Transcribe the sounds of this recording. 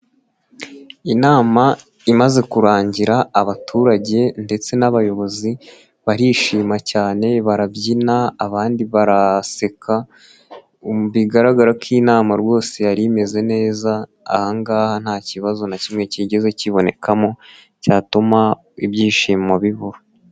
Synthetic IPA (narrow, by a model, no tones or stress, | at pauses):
inaːma | imaze̞kuɾaːɲɟiɾaːβatʰuːɾaɟe̞nde̞t͡se̞naβajo̞βo̞zi | βaɾiːʃiːmacaːne̞βaɾabɟinaːβaːndiβaɾase̞kʰa | βiɡaɾaɡaɾakʰiːnaːmaɾwo̞ːse̞jaɾime̞ze̞ne̞ːza̰ː | haŋɡaːhan̥haːciβazo̞nacimŋe̞ciɟe̞ze̞ciβo̞ne̞̰kʰamo̞ | caːtuma | ibjiːʃiːmaβiβuɾo